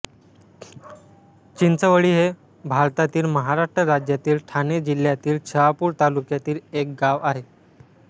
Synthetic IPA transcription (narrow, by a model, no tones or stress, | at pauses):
t͡ɕint͡səʋəɭiːɦe | bʱaɾt̪at̪iːlməɦaɾaʂʈɾəɾad͡ʑjat̪iːlʈʰaned͡ʑil̤jat̪iːlt͡ɕʰeʋapuːɾt̪alukjat̪iːlek̚ɡaʋaɦe